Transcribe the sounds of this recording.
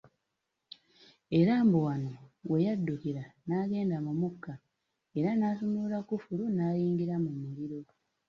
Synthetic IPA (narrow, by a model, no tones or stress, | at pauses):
e̞ɾaːmbowano̞we̞jadːukiɾanaːɡe̞ːndamumukːa | e̞ɾanaːsumulakufulunaːliːŋɡiɾamumuɾiɾo̞